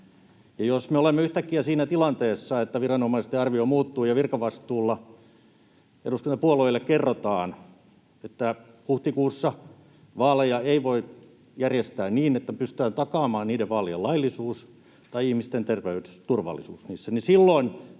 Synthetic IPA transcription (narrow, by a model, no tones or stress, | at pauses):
jɑjosmeolemːeyht̪ækːiæsiːnæt̪ilɑnt̪eːsːɑet̪ːæʋirɑnomɑist̪eɑrʋiomuːt̪ːuːjɑʋirkɑʋɑst̪uːlːɑ | ḛdusk̪unt̪ɑpuoloilːekkerːot̪ɑːn | et̪ːæ | huht̪ikuːsːɑ | ʋɑːlejɑeiʋoi | jærjest̪æːnniːnet̪ːæpyst̪yæːnt̪ɑkɑːmɑːnniːdeʋʋɑːlejelɑilːˑisuːs | t̪ɑiihmist̪ent̪erʋeyest̪urʋɑ̰lːisuːsnḭːsːænisilːoin